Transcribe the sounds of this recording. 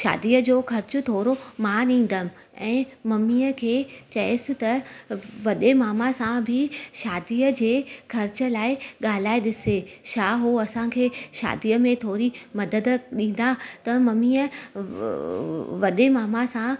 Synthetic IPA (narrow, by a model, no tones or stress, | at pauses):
ʃa̰ːd̪ijəd͡ʑoːkɐɾt͡ɕʊ̆t̪ʰoːɾomaːɗĩːn̆d̪ənɪ̆ | ɛ̃ːmɐmiːəkʰeːt͡ɕɐɪsɪ̆t̪ɐʋɐɗemaːmasãbʱɪʃaːd̪ijəd͡ʑeːkʰɐɾt͡ɕə̆laːɪɠaːl̤aːeɗɪseʃaːɦoɐsãkʰeːʃa̰ːd̪ijəmẽt̪ʰoːɾimɐd̪əd̪ɗĩːn̆d̪at̪ɐmɐmiːə | ʋɐɗemaːmasã